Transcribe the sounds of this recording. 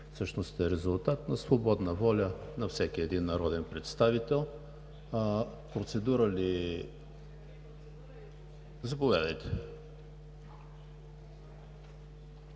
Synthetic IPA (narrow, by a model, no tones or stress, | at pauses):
fsɤʃnost̪ɛɾɛzulˠt̪at̪nɐsvobɔd̪nəvɔlʲənɐfsɛkiɛd̪inːɐɾɔd̪ɛnpɾɛt̪st̪avit̪ɛlˠ | pɾot̪sɛd̪uɾəli | zɐpovʲad̪ɐjt̪ɛ̥